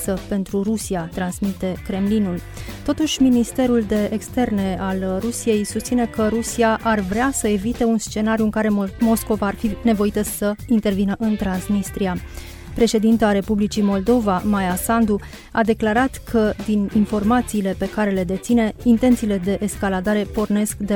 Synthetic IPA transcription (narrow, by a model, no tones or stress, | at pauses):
səpe̞nt̪ɾurusiat̪ɾansmit̪e̞kɾe̞mlinul | t̪o̞t̪uʃʲminist̪e̞ɾuld̪e̞ʔːkst̪e̞rne̞alrusije̞jsust̪sine̞kəɾusiaʔarvɾeasəe̞vit̪e̞unst͡ʃe̞naɾijuɨŋkaɾe̞mo̞sko̞vaːrfine̞vo̞it̪əsəint̪ervinəʔɨnt̪ɾansmist̪ɾia | pɾe̞ʃe̞d̪int̪eaɾe̞publit͡ʃimo̞ld̪o̞vamajasand̪u | ad̪e̞klaɾat̪kʰəd̪ininfo̞rmat̪siːle̞pe̞kaɾe̞le̞d̪e̞t̪sine̞int̪e̞nt̪siːle̞d̪e̞ʔeskalad̪aɾe̞po̞rne̞skd̪e